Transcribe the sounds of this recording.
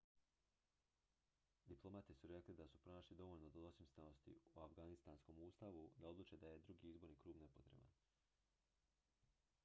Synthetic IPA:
d̪iplˠo̞mat̪isuɾe̞klid̪asupɾo̞naːʃlid̪o̞ʋoʎnod̪od̪osimst̪ano̞st̪ḭuafɡanist̪aːnsko̞muːst̪aʋud̪ao̞d̪lˠuːt͡ʃe̞d̪aje̞d̪ɾuɡiizbo̞ɾniːkɾuːbne̞po̞t̪ɾe̞̰ba̰n

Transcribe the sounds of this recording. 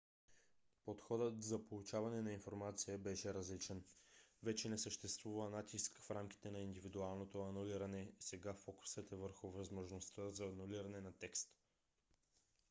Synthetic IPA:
pot̪xɔd̪ət̪zɐpolˠut͡ʃavɐnɛnɐinfoɾmat̪sijəbɛʃɛɾɐzlit͡ʃɛnvɛt͡ʃɛnɛsəʃt̪ɛst̪vuvənat̪iskfɾamk̟i̥t̪ɛnɐind̪ivid̪ualˠnot̪oɐnuliɾɐnɛsɛɡafɔkʊ̥svɛt̪ɛvəɾxʊvɐzmoʒnost̪əzɐːnuliɾɐnɛnɐt̪ɛkst̪

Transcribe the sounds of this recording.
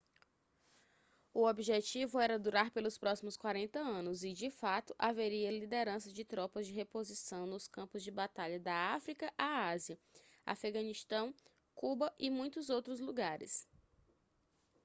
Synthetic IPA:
ʊobiʒet͡ʃivʊɛɾɐd̪uɾaɾpelʊspɾɔsimʊskwaɾẽnt̪ɐɐ̃nʊzɪd͡ʒɪfat̪ʊʔaveɾiɐlid̪eɾɐ̃sɐd͡ʒɪt̪ɾɔpɐzd͡ʒɪɦepozisɐ̃w̃nʊskɐ̃mpʊzd͡ʒɪbat̪aʎɐd̪ɐafɾikɐʔaaziɐ | a̰feɡɐ̃niʃt̪ɐ̃w̃ | kubɐʔɪmũj̃t̪ʊzowt̪ɾʊzluɡaɾɪ̰s

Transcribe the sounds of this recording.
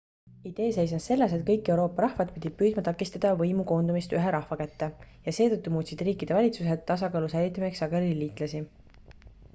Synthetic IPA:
id̪̥e̞ːse̞js̬ɑsse̞lːe̞se̞t̪kɤjkːˑe̞uwɾo̞ːpːˑɑɾɑhvɑd̪̥̚pid̪̥ʲi̥pyːd̪̚mɑt̪ɑkːˑist̪ɑd̪̥ɑvɤjmuko̞ːnd̪̥umist̪yɦeɾɑhvɑkæt̪ːejɑse̞ːt̪ɤt̪ːumuːt̪sid̪̥riːkid̪̥e̞vɑlʲit̪sus̬e̞t̪ːɑs̬ɑkɑːlusæjlʲit̪ːˑɑmieksɑɡ̥eɾiliːt̪ˑlɑsi

